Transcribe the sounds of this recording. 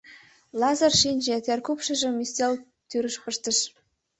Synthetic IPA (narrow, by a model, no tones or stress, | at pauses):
lˠɑzɤ̆rʃinʲd͡ʑĕt̪ʲerkupʃɤ̆ʒĕmisʲt̪ʲelʲ | t̪yɾə̆ʃpə̆ʃt̪ə̆ʃ